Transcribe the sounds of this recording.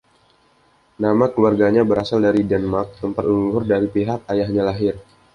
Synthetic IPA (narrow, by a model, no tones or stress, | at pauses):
namakəluarɡaɲabəɾasaldaɾidɛnmark̚t̪əmpat̪uluɦʊrdaɾipiɦak̚ajahɲalaɦɪr